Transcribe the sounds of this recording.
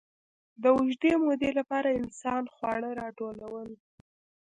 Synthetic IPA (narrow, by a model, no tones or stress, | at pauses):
d̪əʊʒd̪emod̪elapɑɾaɪnsɑnxwɑɽəɾɑʈolawəl